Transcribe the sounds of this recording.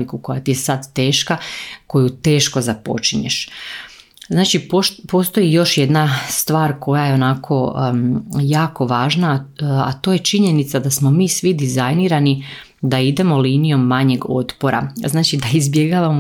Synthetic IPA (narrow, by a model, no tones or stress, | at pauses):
ikuko̞jat̪ijesad̪t̪e̞ːʃkako̞jut̪e̞ːʃko̞zapo̞̰t͡ʃiɲe̞̰ʃ | znaːt͡ʃipopo̞ːst̪o̞jijo̞ʃje̞d̪nast̪ʋaːɾko̞jaje̞o̞nakʰo̞ | jaːko̞ʋaːʒnaa̰t̪o̞ːje̞t͡ʃiɲe̞nit̪sad̪asmo̞miːsʋid̪izajniːɾani | d̪aid̪e̞mo̞liːnijo̞mːaɲe̞ɡo̞t̪po̞ɾa̰znaːt͡ʃid̪aizbje̞ɡaːʋamo